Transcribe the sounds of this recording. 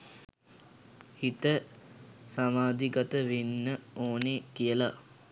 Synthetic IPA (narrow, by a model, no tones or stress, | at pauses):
hit̪ə | samaːd̪iɡat̪əʋinːəoːnekijəla